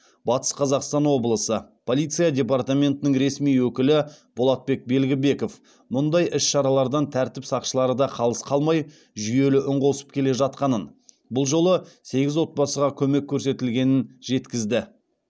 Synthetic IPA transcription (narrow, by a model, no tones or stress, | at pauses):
bɑt̪ə̥sqʰɑzɑqst̪ɑnwo̞blˠəsəpʰo̞lˠijt̪sɨjadʲe̞p̬ɑrt̪amʲe̞nt̪ɪnɪŋɾe̞smijwɵkʲɪlɪb̥olˠɑt̪̚be̞k̚be̞lɡʲɪbe̞ko̞f | mʊnd̪ɑjʔɪsʃɑɾɑlˠɑɾd̪ɑnt̪ʰæɾt̪ɪpsɑqʃəlˠɑɾəd̪ɑqʰɑlˠəsqʰɑlˠmɑj | ʒʏje̞lɪʔʊɴʁo̞sə̥p̚kʲʰe̞le̞ʒɑt̪̚qɑnən | bʊlˠʒo̞lˠəse̞ɡʲɪzwo̞t̪̚bɑsəʁɑkʲʰɵme̞kʲʰːɵɾse̞t̪ɪlɡʲe̞nɪnʒe̞t̪kʲɪzd̪ɪ